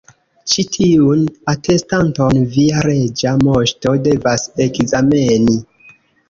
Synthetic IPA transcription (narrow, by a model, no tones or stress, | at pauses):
t͡ʃitʰiunate̞stantonviaɾe̞d͡ʒamo̞ʃto̞de̞vase̞kzame̞ni